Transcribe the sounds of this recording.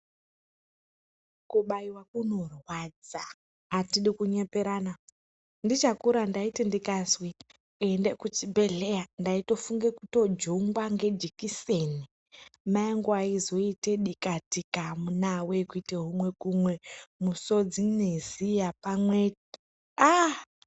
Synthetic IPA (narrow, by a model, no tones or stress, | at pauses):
kuɓaiwakuno̞rwad͡zaː | tiɗikuɲepeɾana | ndit͡ʃakuɾandaitindikanzwi | endekut͡ʃibʱe̞ɮe̞jandaito̞fuŋɡe̞kuto̞d͡ʒoŋɡwaŋɡe̞d͡ʒikiseni | maeŋɡoaizo̞iteɗikatikamunawekuiteɦumwe̞kumwemuso̞d͡zinezijapamweti | a